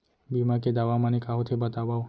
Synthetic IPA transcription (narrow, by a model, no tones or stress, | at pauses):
bimaked̪aʋamanikaɦot̪ʰebət̪aʋao